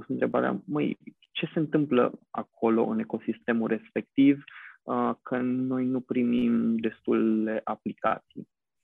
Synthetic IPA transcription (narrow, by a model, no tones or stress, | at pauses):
usɨnt̪ɾe̞ba̰ɾea̰məj | t͡ʃe̞se̞ɨnt̪ɨmplə̰a̰kʰo̞lo̞̰ʔɨne̞ko̞sist̪e̞muɾʔe̞spe̞k̚t̪ivəkʰəno̞jnupɾimimd̪e̞st̪ule̞ʔaplika̰t̪si